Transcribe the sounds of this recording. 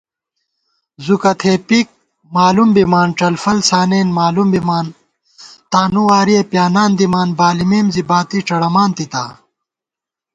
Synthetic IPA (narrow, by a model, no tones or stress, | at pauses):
zukɐt̪ʰeːpik̚ | maːlumbimaːnʈ͡ʂɐlfɐlsaːneːnmaːlumbimaːn | t̪aːnuwaːɾiepjaːnaːnd̪imaːnbaːlimeːmzibaːt̪iʈ͡ʂɐɽɐmaːnt̪it̪aː